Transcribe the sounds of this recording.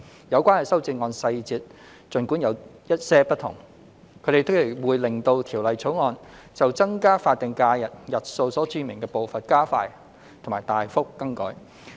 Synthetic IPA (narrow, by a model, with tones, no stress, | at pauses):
jɐ˨˧wkʷaː˥nhɐ˨˩sɐ˥wt͡siː˧ŋɔː˧nsɐ˧jt͡siː˧t̚ | t͡ʃɵ˨nkuː˨˥njɐ˨˧wjɐ˥t̚sɛː˥pɐ˥t̚t̪ʰʊ̰˨˩ŋ | kʰɵ˨˧˥ɾe˨jt̪ʊ˥k̚e˨˩wuː˨˧jlɪ˨ŋt̪o˧wt̪ʰiː˨˩wlɐ˨˩jt͡sʰo˨˥wŋɔː˧nt͡sɐ˨wt͡sɐ˥ŋkaː˥faː˧t̚t̪ɪ˨ŋkaː˧jɐ˨t̚jɐ˨t̚so˧wsɔː˨˥t͡ʃyː˧mɪ˨˩ŋkɛː˧po˨wfɐ˨n̚kaː˥faː˧j | t̪ʰo˨˩ŋmaː˨˩jt̪aː˨jfʊ˥k̚ːɐ˥ŋkɔ̰˨˥j